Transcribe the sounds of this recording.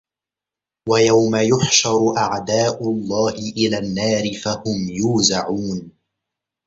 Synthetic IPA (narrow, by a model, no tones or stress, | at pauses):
wajawmajʊħʃɑɾˤʔaʕd̪aːʔʊlˤːɑːhɪʔɪlaːnːaːɾɪfahʊmjuːzaʕuːn